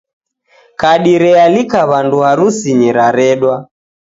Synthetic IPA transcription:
kaɗiɾɛalikaβanduaɾusiɲiɾaɾɛɗwa

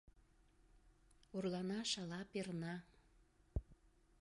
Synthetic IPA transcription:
orlɑnɑʃɑlɑpernɑ

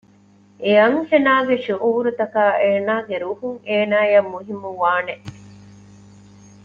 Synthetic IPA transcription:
ʔeɐŋfenaːɡeʃuʔuːɾut̪ɐkaːʔeːnaːɡeɾuhuŋeːnaːjɐmːuɦimːuʋaːneʔ

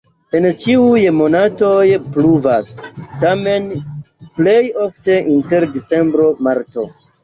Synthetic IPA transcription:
e̞nt͡ʃiujmo̞nato̞jpluvastame̞n | ple̞jo̞fte̞ʔinte̞ɾdit͡se̞mbɾo̞maɾto̞̰

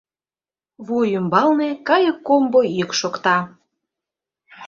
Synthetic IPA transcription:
βujymbɑlnekɑjəkːomboikʃokt̪ɑ

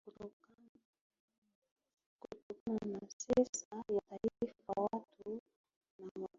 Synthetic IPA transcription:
kutɔk | kutukananasɛsajataiifawatʰu | nama

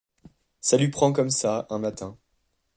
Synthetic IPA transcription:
salypχɑ̃kɔmsaɛ̃mat̪ɛ̃

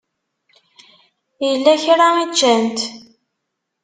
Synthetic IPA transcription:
jəlːæçɾait͡ʃːænt̪

